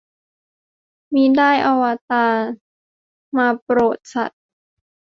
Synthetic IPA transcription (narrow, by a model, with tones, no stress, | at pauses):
miː˧˥daː˥˩jʔa˧wa˧t̪aː˧ | maː˧pɾoː˨˩t̪̚sa̰˨˩t̪̚